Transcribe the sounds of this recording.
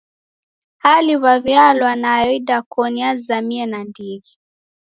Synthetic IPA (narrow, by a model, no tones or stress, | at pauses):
haliβaβjalwanajɔiɗakɔniazzamiɛnandiɣi